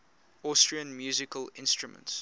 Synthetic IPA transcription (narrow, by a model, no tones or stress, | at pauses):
ɔstɹiə̃nmjuːzɪkəlɪ̃nstɹumə̰̃nts